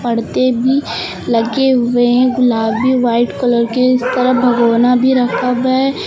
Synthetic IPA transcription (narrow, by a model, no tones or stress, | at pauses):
pɐɽt̪ebʱi | lɐɡeɦʊeɦɛ̃ɡʊlaːbiʋaːɪʈkɔləɾkeɪst̪ɐɾəɦbʱɐɡoːnabʱiɾɐkʰəbɦɛ